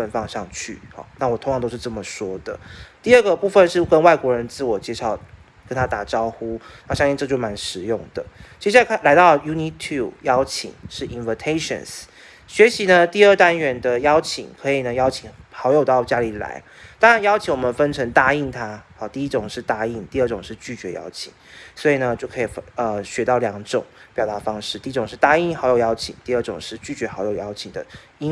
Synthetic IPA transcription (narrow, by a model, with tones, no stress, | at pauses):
ə˥˧˩nfɑ˥˧ŋʂɑ˥˧ŋt͡ɕʰy̰˥˩hɔ̰˨˩na˥˩wɔ˨˩t̪ʰo˧ŋjʰɑ˧ŋt̪o˥ʊʂ̩˥˧ʈ͡ʂə˥˩mə˩ʂwɔ˥d̪̥ə̰˨t̪i˥˧ə˥˩ɡə˨˩pu˥˧fə˥˧nʂɻ̩˥˩kə˦˥nwa˥˩ɪkwɔ˧˥ɻə˧˦nt͡sɹ̩˥˩wɔ˨˩t͡ɕjɛ˥˧ʂɑ˨˩ʊ | kə˦˥nt̪ʰa˥t̪a˨˩ʈ͡ʂɑ˥ʊxu˥na˥˩˨ɕɑ˥ŋɕi˥˧ʈ͡ʂɤ˥˧t͡ɕjma˧˦nʂɻ̩˨˧˦jʊ˥˩ŋd̪̥ə̰˩t͡ɕe˧˥ɕ̬a˥˩˨la˧˥ɪt̪ɑ˥˩ʊju˥ni˥t̪ʰu˥˩jɑ˥ʊt͡ɕʰḭ˨˩˦ŋʂɻ̩˥˩i˧˦nvə˧˩t̪ʰe˥ɪʂə̰˨ns | ɕɥɛ˧˥ɕi˧˥nə˧t̪i˥˧ə˥˩t̪a˦˥nɥɛ˧˥nd̪ə˧jɑ˥ʊt͡ɕʰḭ˨˩˦ŋkʰɤ˧˥i˨˩nə˩jɑ˥ʊt͡ɕʰi˨˩ŋxɑ˧˥ʊjo˨˩ʊt̪ɑ˥˩ʊt͡ɕja˥li˨˩la̰˧˥ɪ | t̪ɑ˥ŋɻa˧˦njɑ˥ʊt͡ɕʰi˧˥ŋwɔ˨˩mə˨˦nfə˥nʈ͡ʂʰə˧˥ŋt̪a˥˧i˥˩nt̪ʰa˥ɑ˧˩t̪i˥˧i˦˥ʈ͡ʂʊ˨˩ŋʂɻ̩˥˧t̪a˥˧i˥˩nt̪i˥˧ə˥˩ʈ͡ʂʊ˨˩ŋʂɻ̩˥˧t͡ɕy˥˩t͡ɕɥɛ˧˥jɑ̰˥ʊt͡ɕʰḭ˨˩ŋswɔ˧˥i˨˩nə˩t͡ɕjo˥˩ʊkʰɤ˧i˨˩ə˧ɕɥɛ˧˥t̪ɑ˥˩ʊljɑ˧˥ŋʈ͡ʂʊ̰˨˩˦ŋpjɑ˨˩ʊt̪a˧˥fɑ˥ŋʂɻ̩˥˩t̪i˥˧˥ʈ͡ʂʊ˨˩ŋʂɻ̩˥˩t̪a˥i˥˩nxɑ˧˥ʊjo˨˩ʊjɑ˥ʊt͡ɕʰḭ˨˩ŋt̪i˥˧ə˥˩ʈ͡ʂʊ˨˩ŋʂɻ̩˥˧t͡ɕy˥˩t͡ɕɥɛ˧˥xɑ˧˥ʊjo˨˩ʊjɑ˥ʊt͡ɕʰi˨˩ŋd̪ə̰˦ | i˥